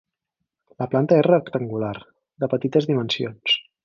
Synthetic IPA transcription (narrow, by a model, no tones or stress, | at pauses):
ləplant̪əɛrəkt̪əŋɡular | d̪əpət̪it̪əzðimənsions